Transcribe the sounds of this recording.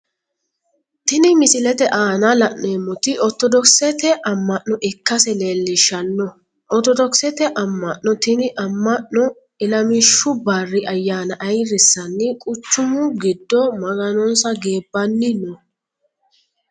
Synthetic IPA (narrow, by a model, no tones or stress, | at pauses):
t̪ɪnɪmɪsɪlɛt̪ɛʔaːnɐlɐʔneːmːɔt̪ɪʔɔt̪ɔd̪ɔksɛt̪ɛʔɐmːɐʔːɔʔɪkːɐsɛleːlːɪʃɐnːɔ | ʔɔt̪ɔd̪ɔksɛt̪ɛʔɐmːɐʔːɔt̪ɪnɪʔɐmːɐʔnɔ | ɪlɐmɪʃːʊbarːɪʔɐjːaːnɐʔɐjɾɪsːɐnːɪkʼʊt͡ʃːʊmʊɡɪd̪ːɔmɐɡɐnɔnsɐɡeːbːɐnːɪnɔ